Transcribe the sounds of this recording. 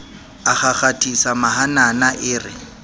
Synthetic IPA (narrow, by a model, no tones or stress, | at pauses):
aχaχatʼʰisamaɦananaʔɪːrɪ